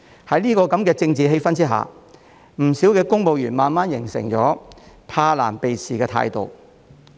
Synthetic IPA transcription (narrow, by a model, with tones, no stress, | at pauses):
hɐ˨˥jniː˥kɔː˧kɐ˨˥mkɛː˧t͡sɪ˧ŋt͡siː˨ɦe˧jfɐ˥nt͡siː˥ɦa̰ː˨ | m̩˨˩si˨˥wkɛː˧kʊ˥ŋpo˨wjyː˨˩nmaː˨nmaː˥njɪ˨˩ŋsɪ̰˨˩ŋt͡ʃɔː˨˥ | pʰaː˧laː˨˩npe˨jsʰiː˨˩kɛː˧t̪ʰa̰ː˧jt̪o˨w